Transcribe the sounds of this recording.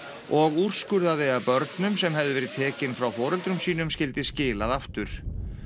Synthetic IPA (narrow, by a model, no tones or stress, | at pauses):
ɔɣur̥skʏɾðaðɪapœɾt̪nʏmsɛmhɛvðɪvɛːɾɪðt̪ʰɛːcɪnfɾawfɔːɾɛlt̪ɾʏmsiːnʏmscɪlt̪ɪscɪːlaðaft̪ʏɾ̥